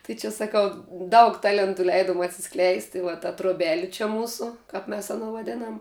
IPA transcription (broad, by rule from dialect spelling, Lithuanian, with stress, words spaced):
tɐɪ t͡ʃʲɛ sɐˈkɐʊ ˈdɐʊk ˈtɑːlʲɛntʊ ˈlʲɛɪdoːm ɐtʲsʲɪˈsklʲɛɪst ɪ ʋɐ tɐ troːˈbʲæːlʲɪ t͡ʃʲɛ ˈmuːsʊ ˈkɐp mʲɛs ɐˈnoː ʋɐˈdʲeːnɐm